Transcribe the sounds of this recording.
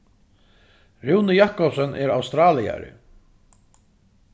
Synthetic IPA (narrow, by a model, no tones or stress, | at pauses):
ɾuwnɪjahkɔpsœnʔɛɾawst̪ɾaːlia̰ɾɪ̰